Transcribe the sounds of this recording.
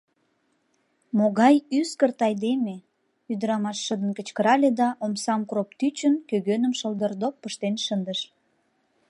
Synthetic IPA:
moɣɑjyskərt̪ɑjd̪eme | yd̪əɾɑmɑʃːəd̪ənkə̆t͡ɕkəɾɑlʲed̪ɑʔomsɑmkropt̪yt͡ɕənkøɣønəmʃəld̪ərd̪ok̚pːəʃt̪enʃənd̪əʃ

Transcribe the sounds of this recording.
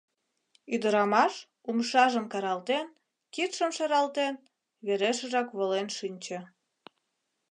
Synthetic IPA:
yd̪əɾɑmɑʃ | umʃɑʒəmkɑɾɑlt̪en | kit̪ʃəmʃɑɾɑlt̪en | βeɾeʃə̆ʒɑkβolenʃynʲt͡ɕə̆

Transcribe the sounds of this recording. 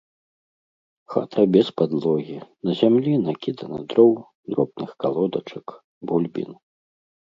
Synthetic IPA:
xa̰t̪ʰɐbʲɛspad̪lˠɔɣʲinɐzʲamlʲinakʲid̪ɐnɐ̰d̪ɾɔw | d̪ɾɔbnɨxkalˠɔd̪ɐt͡ʂɐk | bulʲbʲḭn

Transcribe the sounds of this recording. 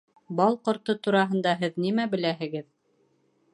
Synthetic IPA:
bɑlˠqŏɾt̪ɤt̪uɾɑɦɤ̆nd̪ɑɦɘðnimæbɘ̆læɦɘ̆ɡɘð

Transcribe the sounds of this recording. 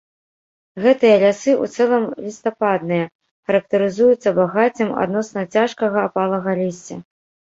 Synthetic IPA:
ɣɛt̪ɨjɐlʲasɨṵt̪sɛlˠɐmlʲist̪apad̪̚nɨjɐ | xɐɾɐk̚t̪ɐɾɨzujut̪sːɐbaɣat͡sʲɨma̰d̪nɔsnɐt͡sʲaʂkɐɣɐːpalˠɐɣɐlʲisʲɐ̰

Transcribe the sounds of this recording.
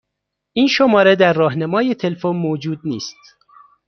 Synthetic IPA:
ʔiːnʃomɒːɾed̪æɾːɒːhnæmɒːjet̪ʰe̞lfonmoːd͡ʒuːd̪̚niːst̪

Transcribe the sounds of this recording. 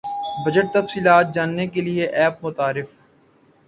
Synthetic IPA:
bɐd͡ʒəʈ̚t̪ɐfsiːlaːt̪̚d͡ʒaːnːekelieʔɛːp̚mʊt̪aːɾɪf

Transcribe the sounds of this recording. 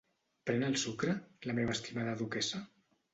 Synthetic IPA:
pɾɛnəlˠsukɾələmeβəːst̪imaðəðukɛsə

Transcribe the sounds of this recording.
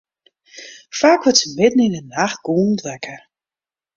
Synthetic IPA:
faːkʋətsəmɪdn̩inənax̚ɡ̥oːntʋɛkʰə

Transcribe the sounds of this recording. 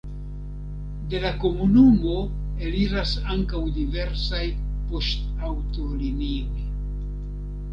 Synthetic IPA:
de̞lako̞munumo̞ | e̞liɾasaŋkawdive̞ɾsajpo̞stawto̞linio̞j

